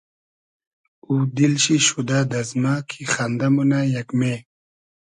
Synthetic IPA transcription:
ud̪ilɕiɕud̪aːd̪ɐzmaːkʰixand̪ɐmunajɐkme

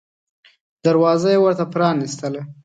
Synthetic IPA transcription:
d̪̥aɾwɑzajewəɾt̪apɾɑnist̪əla

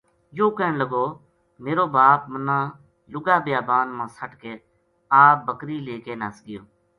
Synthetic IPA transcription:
joːkɛːɳləɡoː | meːɾoːbaːp̚mənãː | lʊɡaːbjaːbaːnmãːsəʈkeː | aːbəkɾiːleːkeːnaːsɡɪjoː

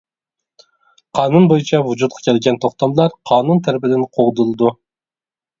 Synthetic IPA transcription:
qʰɑːnunbojut͡ʃʰɑvud͡ʒut̪̚qʰɑ̥kʲʰɛlɡʲɛnt̪ʰoχt̪ɑmlˠɑɾqʰɑːnunt̪ʰæɾɪpɪd̪ɪnqʰoʁd̪ulˠɨd̪u

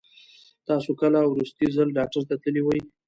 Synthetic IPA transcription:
t̪ɑsokəlawɾust̪izalɖɑk̚ʈaɾt̪at̪əliwaj

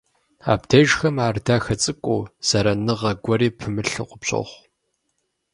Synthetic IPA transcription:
a̰ːbdʰɐʒxɐmaːrdaːxɐt͡sʼɨkʷʼoːz̥ɐɾɐnɨʁɐɡʷɔɾiːpʰɨmɨɬɨ̰qʷʊpɕʼo̰χʷ

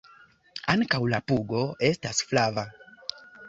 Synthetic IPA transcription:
aŋkawlapuɡo̞e̞stasflava

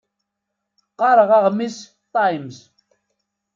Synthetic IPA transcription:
qɑɾˤəʁɑʁmis | t̪ˤɑjmz

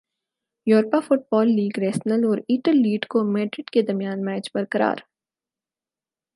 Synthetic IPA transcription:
juːɾpafʊʈ̚bɔːlːiːɡɾɛːʃnəlɔːɾiːʈəlːiːɖkomeːɖɾɪɖked̪ɐɾmijaːnmɛːt͡ʃbɐɾkəɾa̰ːɾ

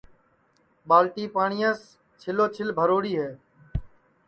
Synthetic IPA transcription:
ɓaːlʈiːpaːɳiːãːs | t͡ʃʰɪloːt͡ʃʰɪlbʱəɾoːɽiːɦeː

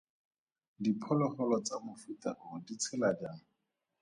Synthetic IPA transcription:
dipʰɔlɔχɔlɔt͡samʊfuta̰ʔʊdit͡sʰɛladjaːŋ̩

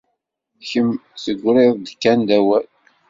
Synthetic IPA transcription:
çəmsəɡʷːɾeðˤd̪əkːænd̪æwæl

